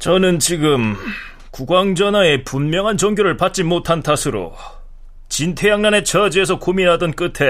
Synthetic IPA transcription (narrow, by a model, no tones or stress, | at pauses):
t͡ɕʌnɯnt͡ɕiɡɯm | kuɡwaŋd͡ʑʌnɦae̞punmjʌŋɦant͡ɕʌŋɡjoɾɯɭpat̚t͡ɕ͈imotʰantʰasʰɯɾo̰ | t͡ɕintʰe̞jaŋnane̞t͡ɕʌd͡ʑie̞s̬ʰʌkominɦadʌnk͈ɯtʰe̞